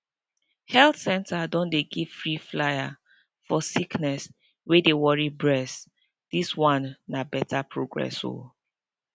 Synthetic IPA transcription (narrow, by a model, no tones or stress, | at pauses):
hɛlθsɛ̃ntʰadɔ̃ndeɡiv̥fɹiflaja | fɔsiknɛs | wedewɔɹibɹɛs | d̥iswãnːabɛtʰapʰɹoɡɹɛ̰so̰